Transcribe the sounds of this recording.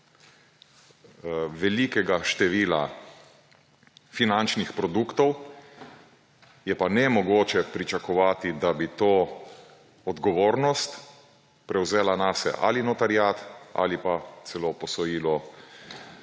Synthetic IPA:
ʋɛlikɛɡaʃt̪ɛʋiːla̰ | finant͡ʃnixpɾɔd̪ukt̪ɔw | jɛpanɛmɔɡoːt͡ʃɛpɾit͡ʃakɔʋaːt̪id̪abit̪oː | ɔd̪ɡɔʋoːɾnɔst̪ | pɾɛwzeːlanaːsɛ̰ʔa̰linɔt̪aɾjat̪a̰lipat̪sɛlopɔsɔjiːlɔ

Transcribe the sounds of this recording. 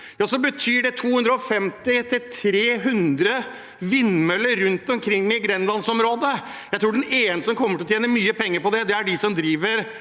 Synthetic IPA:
jɑːsɔbət̪ʰyːɖɛt̪ʰuːhʉnd̪ɾəɔfɛmt̪ɪt̪ʰɪlt̪ʰɾeːɦʉnd̪ɾə | ʋɪnmœləɾʉnt̪ɔmkʰɾɪŋːmɪɡɾɛnlɑnsɔmɾoːd̪ə | jæɪt̪ʰɾuːɖɛneːnəsɔmkʰɔmːəʈʰɪlɔt̪ʰjeːnəmyːəpʰɛŋːəɾpɔd̪ɛd̪ɛæɖɪsɔmd̪ɾiːʋəɾ

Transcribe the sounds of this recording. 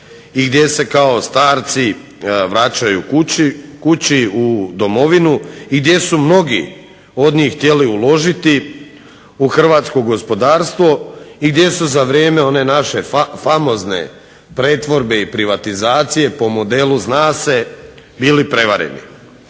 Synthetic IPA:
iɡd̪je̞se̞kao̞st̪aːɾt̪si | ʋɾat͡ɕajukkut͡ɕiud̪o̞mo̞ʋinuiɡd̪je̞sumno̞ɡḭ | o̞d̪ɲiːxxt̪je̞liulˠo̞ʒit̪i | uxr̩ʋaːt̪sko̞ɡo̞spo̞d̪aːɾst̪ʋo̞iɡd̪je̞suzaʋɾje̞ːme̞o̞ne̞naʃe̞famo̞zne̞̰ | pɾe̞t̪ʋo̞ɾbe̞ipɾiʋat̪izaːt̪sije̞po̞mo̞d̪e̞luznaːse̞ | biːlipɾe̞ʋaɾḛnḭ

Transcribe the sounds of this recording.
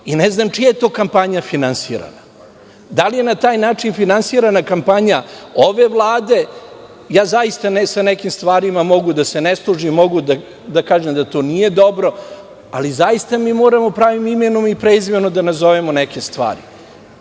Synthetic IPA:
ineznaːmt͡ʃijajet̪o̞ːkampaɲafinansiːɾa̰na | d̪alije̞nat̪aːjnaːt͡ʂinfinansiːɾanakampaɲaoʋe̞ʋlˠaːd̪e̞ | jaːzajist̪anesanekimst̪ʋaːɾimamo̞ɡud̪ase̞neslˠuʒimo̞ɡud̪a | d̪akaːʒemd̪at̪o̞ːnije̞d̪o̞bɾo̞ | a̰lizajist̪amiːmo̞ːɾamopɾaːʋimimenomipɾeizʋenod̪anazo̞ʋemoneke̞st̪ʋa̰ːɾḭ

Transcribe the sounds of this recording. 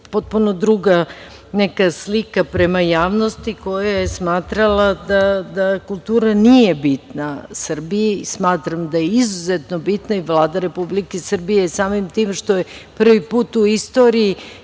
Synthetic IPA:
po̞t̪̚puno̞d̪ɾuɡa | nekaslikapɾemajaːʋnost̪iko̞jajesmaːt̪ɾalˠad̪ad̪akulˠt̪uːɾanijebit̪nasr̩bijismaːt̪ɾamd̪ajeizuzet̪no̞bit̪naiʋlˠaːd̪aɾe̞publikesr̩bijesaːmimt̪iːmʃt̪o̞jepr̩ʋipuːt̪uist̪o̞ːɾiji

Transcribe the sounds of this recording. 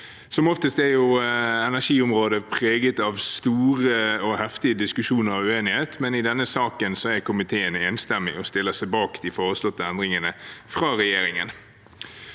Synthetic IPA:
sɔmɔft̪əst̪æɾjʊɛnæʂiːʊmɾoːd̪əpʰʁeːɡət̪ɑʋst̪uːɾəɔhɛft̪ɪəd̪ɪskʉʂuːnəɾɑʋʉeːnɪheːt̪mɛnɪd̪ɛnːəsɑːkənsɔæɾkʰʊmɪt̪ʰeːəneːnst̪ɛmːɪ̰ɔst̪ɪlːəsæɪbɑːkd̪̥ɪfoːɾəslɔt̪ːəɛnd̪ɾɪŋənəfʁɑːɾɛjeːɾɪŋən

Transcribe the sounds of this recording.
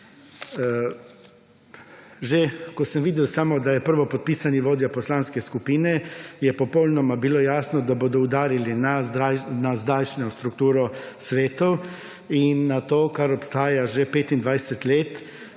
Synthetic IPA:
ʒekosəmʋiːd̪jɛwsaːmɔd̪ajɛpəɾʋɔpɔt̪̚piːsanjiʋoːd̪japoslaːnskɛskupiːnɛjɛpɔpɔlnɔmabilojaːsnɔd̪aboːd̪ɔud̪aːɾilinaanazd̪aːjt͡ʃnɔst̪ɾukt̪uːɾɔsʋeːt̪ɔw | inːat̪oːkaɾɔpst̪aːjaʒepeːt̪ind̪ʋajsɛt̪leːt̪

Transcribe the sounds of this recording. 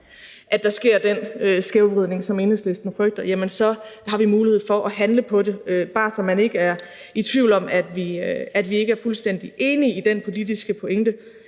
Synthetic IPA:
ʔæd̥ɑ̈sɡ̥e̝ɐ̰d̥enøsɡ̥eʊʋʁið̞̰ˠne̝ŋsɒ̽me̝ːnˠsle̝sd̥n̩fʁœɡ̥̚d̥ɐjæmənsɒ̽hɑ̈ʋimuːlihe̝ð̞̰ˠfɒ̽ʔɒɦænləpʰɒ̽de̝øb̥ɑ̈ːsɒ̽mːæne̝ɡ̥əæɐ | it͡sʰʋiʊlɒ̽mæd̥ʋiæd̥ʋie̝ɡ̥əæɐfulsd̥en̰d̥iʔe̝ːniid̥enpʰo̝lid̥isɡ̥əpʰo̝eŋd̥ə

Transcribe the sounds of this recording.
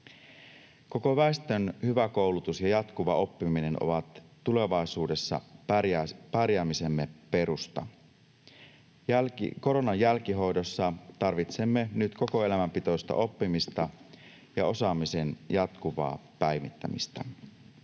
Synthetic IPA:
ko̞ko̞ʋæest̪ø̞nhyʋæko̞wlut̪usjɑjɑt̪kuʋɑo̞pːimine̞no̞̰ʋɑt̪ːule̞ʋɑisuːde̞sːɑ̰ | pɑrjæːmise̞mːe̞pe̞ɾust̪ɑ̰ | ko̞ɾo̞nɑjːælk̟iɦo̞jdo̞sːɑt̪ɑrʋit̪se̞mːe̞nyt̪ko̞ko̞e̞læmæmpit̪ojst̪ɑ̰ʔo̞pːimist̪ɑ | jɑo̞sɑːmise̞njɑt̪kuʋɑ̰ːpæjmit̪ːæ̰mḭst̪æ̰

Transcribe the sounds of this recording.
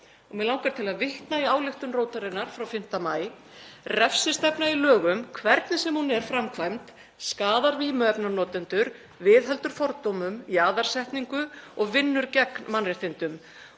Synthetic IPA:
ɔɣmɛlawŋkaɾ̥t̪ʰɪlaðvɪht̪naiaːwlɪxt̪ʏmroːwt̪aɾɪnːaɾ̥fɾawfɪm̥t̪amaːj | rɛfsɪst̪ɛpnailœːɣʏmkʰvɛɾt̪nɪsɛmhunɛɾ̥fɾamkʰvajmt̪ | skaːðaɾviːmɛpnanɔːt̪ɪnt̪ʏɾ | vɪðɦɛlt̪ʏɾ̥fɔɾt̪owmʏmiaːðaɾ̥r̥sɛjht̪niŋkʏɔɣvɪnːʏɾcɛkmanrɪht̪ɪnt̪ʏm

